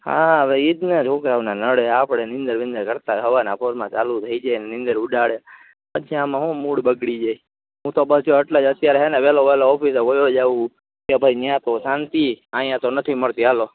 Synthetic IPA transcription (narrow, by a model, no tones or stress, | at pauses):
hã̰əʋeid̪nəd͡ʒʰʱokɾaʋnanəɽeapɽenɪ̃nd̪əɾʋĩnd̪əɾkəɾt̪aɦəʋanapʰoɾmãt͡ʃalut̪ʰəid͡ʒanenɪ̃nd̪əɾʊɖaɭe | pət͡ʃʰiamãɦũmuɽbəɡɽid͡ʒai | ɦũt̪obət͡ʃʰoəʈlad͡ʒət̪jaɾeɦɛneʋɛloʋɛloɔpiseʋojod͡ʒaʋũ | kebʱəinjãt̪osant̪iãjãt̪onət̪ʰiməɭt̪ialo